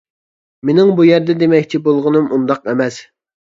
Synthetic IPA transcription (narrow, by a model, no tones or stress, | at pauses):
menɪŋbujɛɾd̪ɛd̪emɛkʲt͡ʃʰibolˠʁʊnɨmund̪ɑqɛmɛs